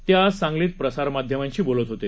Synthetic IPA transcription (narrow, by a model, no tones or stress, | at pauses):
t̪jasãŋɡliːt̪pɾəsaɾmad̪ʱjəmãɲt͡ɕiːbolət̪ɦot̪e